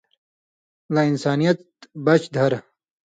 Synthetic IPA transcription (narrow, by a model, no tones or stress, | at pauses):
lainsaːnijɐt̪̚ | bɐt͡ɕd̪ʱɐɾ